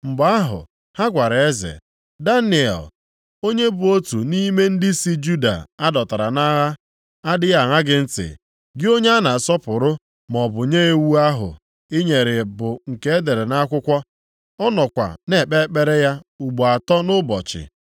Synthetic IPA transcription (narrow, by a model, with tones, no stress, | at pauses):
m̩˨ba˦ɦʊ̰˨ | ha˦ɡʷa˨ɾa˨e˦zḛ˨ | da˦nɪ˨ɛ̰˨l | o˦ɲe˦bʊ˨o˦tu˨ni˦me˦n̩˦dɪ˦si˦d͡ʒu˦da̰˨a˦dɔ˨ta˨ɾa˨na˦ɦa˦ | a˦dɪ˦ja˨ŋa˦ɡɪ˦n̩˦tɪ̰˨ | ɡɪ˦o˦ɲe˦a˦na˨sɔ˦pʊ˨ɾʊ˦ | m˨ɔ˨bʊ˨ɲe˦e˦wu˦a˦ɦʊ̰˨ | ɪ˦ɲe˨ɾɪ˨bʊ˨ŋ̩˨ke˦e˦de˨ɾe˨na˦kʷʊ˦kʷɔ˦ | ɔ˦nɔ˨kʷa̰˨ne˦˨k͡pe˦k͡pe˦ɾe˦ja˦u˨ɡ͡bo˨a˨tɔ˦nʊ˦bɔ̰˨t͡ʃɪ̰˨